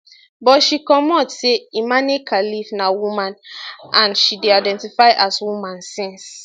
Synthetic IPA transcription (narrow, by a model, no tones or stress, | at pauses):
bɔʃikɔmɔtseimãnekʰalivnawumãnãnʃideaɪdɛ̃ntifaɪʔaswumãnsĩns